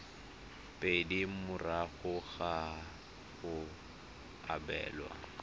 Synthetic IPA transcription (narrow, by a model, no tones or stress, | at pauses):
pʼedimʊraɣʊɣa | ɣʊ | a̰bɛ̰ːlwa̰